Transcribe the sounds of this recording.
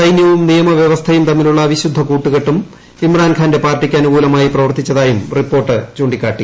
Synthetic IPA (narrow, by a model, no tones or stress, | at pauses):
ɐjnjɐʋumnijɐmɐʋjeʋɐst̪ʰɐjumt̪ɐmːiluɭːɐːʋiɕud̪ʱːɐkuːʈːuɣeʈːum | imraːnkʰaːnde̞paːrʈːikʲːɐnuɣuːlɐmaːjiprɐʋɐrt̪ːit͡ɕːɐðaːjumripːo̞ːrʈːɨt͡ɕoːɳɖikʲːaːʈːi